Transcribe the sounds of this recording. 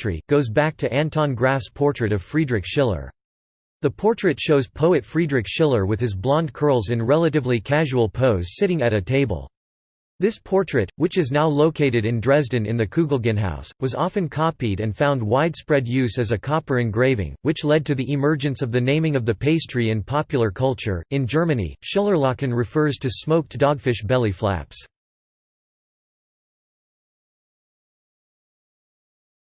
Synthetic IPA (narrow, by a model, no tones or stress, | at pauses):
ɹ̥ḭɡ̥oʊzbæk̚tʰɨʔæ̃ntʰɑ̃nɡɹæfspʰɔɹtɹ̥ɨɾʌv̥fɹidɹɨkʃɪlˠə̰˞ | ðɨpʰɔɹt͡ʃɹ̥ɨtʃoʊz̥pʰoʊɨtfɹidɹɨkʃɪlˠə˞wɨð̥ɨzblɑ̃nkʰɜ˞lˠzɨ̃nɹɛlˠəɾɨvlikʰæʒul̩ˠpʰoʊz̥sɪɾɪ̃ŋɨɾɨtʰeɪbə̰l̩ˠ | ðɪspʰɔɹtɹ̥ɨt̚wɨt͡ʃɨznaʊloʊkʰeɪɾɨɾɨ̃ndɹɛzdɨ̃nɨ̰̃nðɨkʰʉɡl̩ˠɡɨ̃nɦa̰ʊswʌzɑfɨ̃nkʰɑpiɾɨ̃nfãʊ̃nd̚waɪd̥spɹɛdjʉzɨzɨkʰɑpə˞ɨ̃nɡɹeɪvɪ̰̃ŋwɨt͡ʃlɛd̚tʰɨðiʔɨmɜ˞d͡ʒɨ̃nsʌvðɨnẽɪ̃mɪ̃ŋʌvðɨpʰeɪstɹ̥iɨ̃npʰɑpjl̩ˠə˞kʰʌlˠt͡ʃə̰˞ɨ̃nd͡ʒɜ˞mɨnḭʃɪlˠə˞lɑkɨ̃nɹɨfɜ˞z̥tʰɨsmoʊk̚d̥ɔɡ̥fɪʃb̥ɛlˠiflæ̰ps